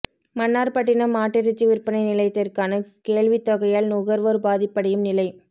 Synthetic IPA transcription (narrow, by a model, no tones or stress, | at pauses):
mɐnːaːɾpɐʈːɪnɐmaːʈːɪɾɪt͡ʃːiʋɪɾpːɐnɐɪnɪlɐɪt̪ːɪɾkaːnɐkeːɭʋɪt̪ːɔɣɐjaːlnʊɣɐɾʋɐɾbaːðɪpːɐɽɐjɯmnɪlɐɪ